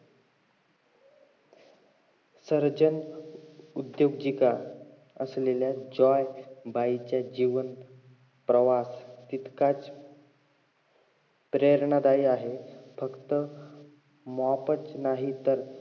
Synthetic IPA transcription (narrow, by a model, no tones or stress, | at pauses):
səɾd͡ʑən | ud̪joɡd͡ʑika | əsleljad͡ʑɔjbait͡ɕjad͡ʑiʋən | pɾəʋast̪it̪kat͡s | pɾeɾɳad̪aiaɦefəkt̪ə | mɔpət͡snaɦit̪əɾ